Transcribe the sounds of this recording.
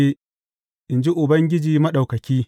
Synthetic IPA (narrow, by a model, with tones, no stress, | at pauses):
e˦ | ʔɪ˨nd͡ʒi˦ʔʊ˨bɐ˦ŋɡʲɪ˦d͡ʒiː˨mɐ˦ɗa˨wkɐ˨kʲiː˦